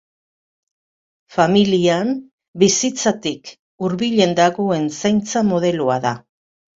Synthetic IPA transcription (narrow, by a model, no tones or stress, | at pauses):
familiam | bisit͡sat̪ik | uɾβiʎe̞nd̪aɣoe̞nsajnt͡samo̞ð̞e̞luaða